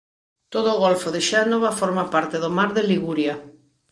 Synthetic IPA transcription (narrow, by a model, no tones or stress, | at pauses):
t̪oðoʊːɣolfoðɪʃanoβafoɾmapaɾt̪ɪðomaɾðeliɣuɾja